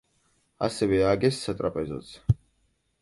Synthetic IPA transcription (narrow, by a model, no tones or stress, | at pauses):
a̰sɛvɛaɡɛsːat̪ʼɾapʼɛzɔ̰t̪sʰ